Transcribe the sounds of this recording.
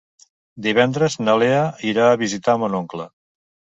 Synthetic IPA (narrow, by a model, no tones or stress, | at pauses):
d̪iβ̞ɛnd̪ɾəznəleaiɾaəβizit̪amənoŋklə